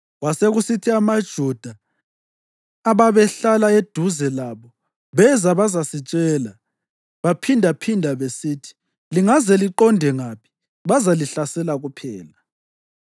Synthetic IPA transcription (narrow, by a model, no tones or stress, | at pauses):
waseɣusitʰiamad̥ʒ̥ʱud̥ʱa | βaβɛɬalaed̥ʱuzɛlaβɔ | βɛzaβazasit͡ʃʼɛːla | βapʰindʱapʰindʱaβesiːtʰi̥ | liŋazɛliǃɔndʱɛŋaːpʰi̥ | βazaliɬasɛlaɣupʰɛːla